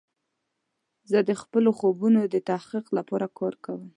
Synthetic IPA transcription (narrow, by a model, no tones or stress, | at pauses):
zəd̪əxpəloxobunod̪ət̪ahqiqlapɑɾakɑɾkawəm